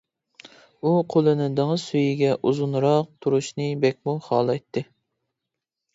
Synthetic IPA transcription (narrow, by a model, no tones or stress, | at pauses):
uqʰolˠɨnɨd̪eŋɨsyjiɡʲɛʔuzunɾɑq̚t̪ʰuɾuʃnɨbɛkʲmuχɑːlˠɑjt̪ʰːɨ